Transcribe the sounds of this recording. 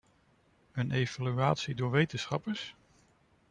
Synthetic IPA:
ənʔejvalyaːtsidʊːɹʋejtənsχɑpəs

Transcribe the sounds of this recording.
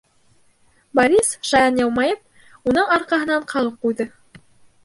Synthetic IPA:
bɐɾʲisʃɑjɑnjɑwmɑjɤp̚ | unɤɴɑɾqɑɦɤ̆nɑɴqʰɑʁɤp̚qujðɤ

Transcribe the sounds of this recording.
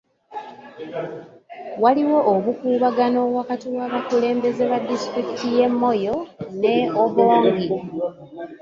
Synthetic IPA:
waliwo̞ʔːβukuːβaɡano̞βwakatiwaːβakule̞ːmbe̞ze̞βadːistɾiki̥tije̞mːo̞jo̞ne̞oβoːŋɡi

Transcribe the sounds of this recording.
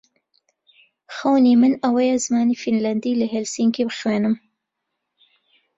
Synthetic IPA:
xɐwnimɨnɐwɐjɛzɨmaːnifinlɐnd̪iːlɨɦɛlsiŋkibɨxweːnɨm

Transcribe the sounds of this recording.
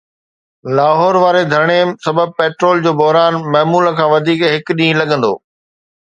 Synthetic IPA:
laːɦɔːɾʋaːɾed̪ʱɐɾɽ̃esɐbəb̚peːʈɾoːld͡ʑoːbɔɦɾaːnmɐːmuːləkʰãːʋɐd̪ʱiːkɦɪkɗĩːlɐɠə̃nd̪o̰ː

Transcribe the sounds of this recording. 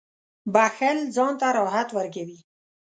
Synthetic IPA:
baxelzɑnt̪aɾɑɦat̪wəɾɡewi

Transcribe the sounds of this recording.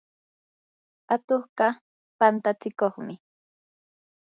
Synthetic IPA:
at̪oχɢɑ | pant̪at͡sɪkoχmɪ

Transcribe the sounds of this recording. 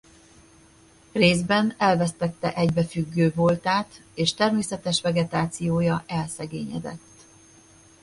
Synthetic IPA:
reːzbɛnɛlvɛst̪ɛt̪ːɛ̰ʔɛɟbɛfyɡːøːbolt̪aːt̪eːʃt̪ɛrmeːsɛt̪ɛʃvɛɡɛt̪aːt̪sijoːjɒʔɛlsɛɡeːɲɛd̪ɛ̰t̪ː

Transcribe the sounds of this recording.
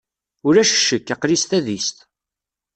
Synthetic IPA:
ʊɾæʃə̥ʃːəkːɑqɾist̪æðist̪

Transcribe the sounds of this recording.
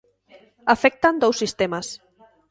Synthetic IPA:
afɛk̚t̪and̪owsːist̪emas

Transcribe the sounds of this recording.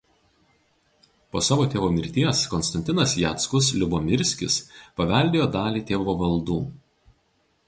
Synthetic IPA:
poːsɑːʋoːt̪ʲeːʋoːmʲɪɾʲt̪ʲiɛskɔnst̪ɐnʲt̪ʲɪnɐsjæːt̪skʊslʲʊbomʲɪɾʲsʲkʲɪ̰spɐʋʲɛlʲd̪ʲeːjoːd̪ɑːlʲiːt̪ʲeːʋoːʋɐlˠd̪uː

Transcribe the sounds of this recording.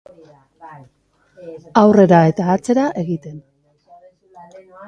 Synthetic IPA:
awre̞ɾae̞t̪aːt͡se̞ɾaʔe̞ɣit̪e̞n

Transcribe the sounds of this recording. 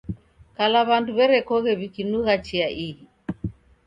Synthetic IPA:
kalaβanduβɛɾɛkɔɣɛβikinuɣat͡ʃiaʔiɣi

